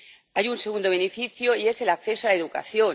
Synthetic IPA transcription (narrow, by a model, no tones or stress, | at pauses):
ajunseɣ̞und̪oβ̞e̞nefiθjoie̞se̞lakθe̞soalaeðuka̰θjo